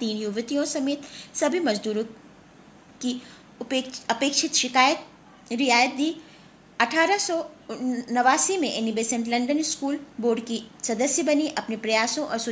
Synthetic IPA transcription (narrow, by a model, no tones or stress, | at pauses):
t̪iːnjuʋt̪ijõsɐmeːt̪sɐbʱimɐzd̪uːɾõ | ki | pɐpeːkʃɪt̪ʃɪkaːjət̪̚ | ɾɪjaːjət̪̚d̪iː | ɐʈʰaːɾasɔːnɐʋaːsimẽʔenɪbeːsẽɳʈlɐ̃ɳɖənɪskuːlboːɾɖkisɐd̪əsjəbɐniʔɐpnepɾɐjaːsõʔɔːɾsʊ